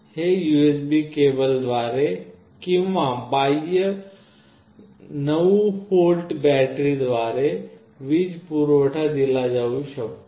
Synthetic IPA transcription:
heːjueːsbikeːbəld̪ʋaːɾe | kɪ̃ʋãbaːijə | nɐʋuhoːlʈbɛːʈɾid̪ʋaːɾe | ʋid͡ʒpuɾoʋəʈʰad̪ilad͡ʒaːʋuʃʰɐ

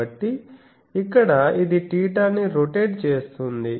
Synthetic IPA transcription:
ɐʈːiː | kːɐɽɐid̪iʈiːʈ̬aːnːiɾoʈeːɖt͡ʃeːst̪und̪i

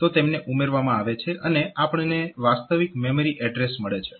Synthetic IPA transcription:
t̪ot̪emneʔumeɾʋamãaʋet͡ʃʰeʔəneʔapəɳneʋast̪əʋikmeməɾiʔɛɖɾesməɭet͡ʃʰe̥

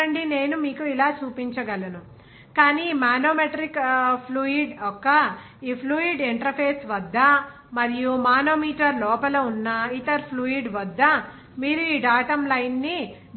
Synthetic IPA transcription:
ɐɳɖine̞ːnumiːkuilaːt͡ʃuːpiɲt͡ʃɐɡɐlɐnu | kaːnimaːnoːmeʈɐɾikpʰluːiɖɔkːɐ | iːpʰluːiɖeɳʈɐɾpʰeːsʋɐd̪ːɐ | mɐɾijumaːno̞ːmiːʈɐɾlɔːpɐloːunːɐit̪ɐɾpʰluːiɖʋɐd̪ːɐ | miːɾuiːɖaːʈɐmlɐjnːi

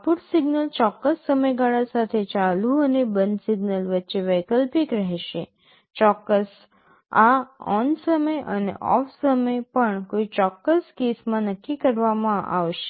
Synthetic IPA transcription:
puʈsɪɡnəlt͡ʃɔkːəsːəməjɡaɭasat̪ʰet͡ʃalũənebənsɪɡnəlʋətːʃeʋəjkəlpikɾəɦɛʃe | t͡ʃɔkːəs | aɔnsəməjʔənḛʔɔ̰fsəməjpəɳkoit͡ʃɔkːəskesmãnəkːikəɾʋamãʔa̰ʋʃe̥

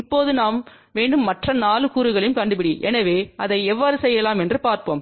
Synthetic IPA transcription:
ɪpːoːðɯnaːm | ʋeːɳɖɯmːɐʈrɐnaːlɯkuːɾɯɣɐɭɪmkɐɳɖɯpɪɽiʔɛnɐʋeːʔɐðɐɪɛʋːaːɾɯsɛjːɐlaːmɛndrɯpaːɾpo̰ːm

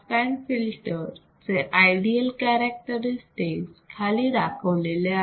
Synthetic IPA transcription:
pɛnfilʈəɾ | t͡seʔajɖiəlkɛɾək̚ʈəɾisʈikskʰaliːɾakʰəʋlelea

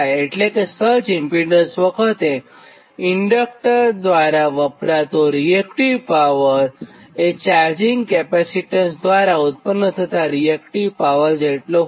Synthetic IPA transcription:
eʈlẽkesəɾt͡ɕimpiɖə̃nsʋəkʰət̪ẽ | iɳɖək̚ʈəɾd̪ʋaɾaʋəpɾat̪oɾiekʈiʋpaʋəɾet͡ɕaɾd͡ʑiŋɡkɛpæsiʈənsd̪ʋaɾaut̪̚pənːət̪ʰət̪aɾiekʈiʋpaʋəɾd͡ʑeʈlo

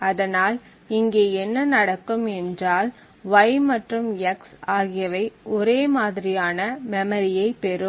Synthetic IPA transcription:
ɐðɐnaːl | ɪŋɡeːɛnːɐnɐɽɐkːɯmɛndraːl | ʋɐɪmɐʈrɯmjɐksaːɣɪjɐʋɐɪʔɔɾeːmaːðɪɾɪjaːnɐmɛmɐɾɪjɐɪpɛɾɯm

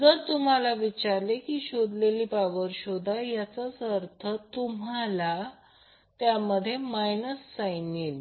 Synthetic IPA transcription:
d͡zəɾt̪um̤alaʋit͡ɕaɾlekiːɕod̪leliːpaʋəɾɕod̪ʱajat͡sasəɾt̪ʰət̪umala | t̪jaməd̪ʱːjemajnəsːajniːl

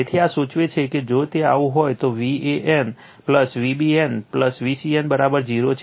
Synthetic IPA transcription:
et̪ʰiasũt͡ʃʋet͡ʃʰeked͡ʒot̪eaʋũɦojt̪oʋieʔen | pləsʋibienpləsʋisienbəɾabəɾd͡ʒiɾot͡ʃʰ

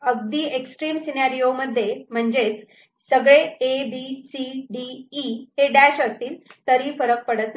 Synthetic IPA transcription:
əɡ̚d̪iːeksʈɾiːmsinaɾijoməd̪ʱːjem̤əɳd͡ʑet͡s | səɡɭeebisiɖiːɦeɖæɕəst̪iːlt̪əɾiːfəɾək̚pəɽət̪

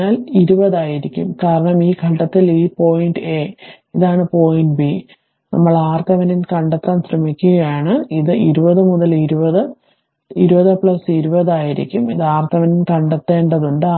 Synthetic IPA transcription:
aːliɾubɐðaːjiɾikʲːṵmkaːɾɐɳɐmiːɡʱɐʈːɐt̪ːiliːpo̞ːjinɖɨeː | iðaːɳɨpo̞ːjinɖʈbi | nʔɐ̰mːɐɭaːrt̪ʰɐʋɐninkɐɳɖet̪ːaːmsrɐmikʲːuɣɐjaːɳɨiðɨiɾubɐðɨmuðɐliɾubɐðɨ | iɾubɐðɨpɭɐsiɾubɐðaːjiɾḭkʲːumiðaːrt̪ʰɐʋɐninkɐɳɖet̪ːe̞ːɳɖɐðuɳɖɨ

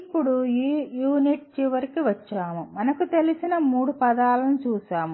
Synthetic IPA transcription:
pːuɽujuːniʈ̚t͡ʃiʋɐɾikiʋɐt͡ʃːaːmumɐnɐkut̪e̞lisinɐmuːɽupɐd̪aːlɐnut͡ʃuːsaːmu

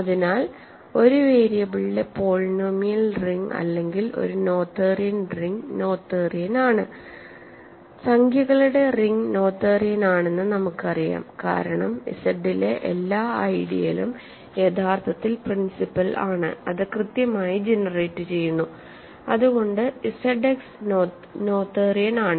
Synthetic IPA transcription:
ɐðinaːl | o̞ɾueːɾijɐbiɭilepo̞ːɭnomijɐlriŋɡɐ̰lːe̞ŋɡilo̞̰ɾuno̞ːt̪ːerijɐnriŋno̞ːt̪ːeːrijɐnaːɳɨ | sɐŋɡʰʱjɐɣɐɭuɽe̞riŋɡno̞ːt̪ːeːrijɐnaːɳe̞nːɨnɐmukːɨɐrija̰ːmka̰ːɾɐɳɐmḭsɐɖile̞ʔḛlːaːɐ̰jɽḭjɐ̰lum | jet̪ʰaːrt̪ʰɐt̪ːilprinsipːɐla̰ːɳɨ̰ɐðɨkrɨt̪jɐmaːjid͡ʑenɐreːʈːɨt͡ɕe̞jːunːu | ɐðuɣo̞ɳɖɨisɐɖeks | no̞ːt̪ːeːrijɐnaːɳɨ

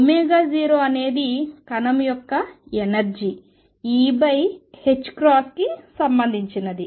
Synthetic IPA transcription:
umeːɡaːziːɾoːɐne̞ːd̪ikɐnɐmjɔkːɐenɐɾd͡ʒi | iːbɐjhet͡ʃːkɾaːskisɐmbɐnd̪ʱiɲt͡ʃinɐd̪i

